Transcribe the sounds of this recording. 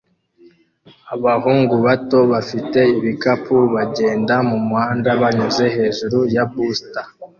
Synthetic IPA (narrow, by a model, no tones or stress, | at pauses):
aβaɦuːŋɡuβato̞βafite̞iβikapʰuβaɟe̞ːndamumhaːndaβaɲoze̞he̞ːʒuɾujabusta